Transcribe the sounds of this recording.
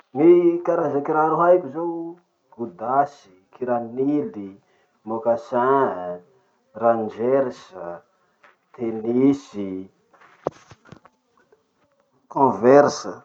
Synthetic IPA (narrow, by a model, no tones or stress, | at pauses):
mikaɾazakiɾaɾuɦajkʲuzow | ɡ̥ud̪asi̥kiɾanili | mokasa | rand͡ʒɛɾsə | t̪ʰenisi | kɔ̃vɛɾsə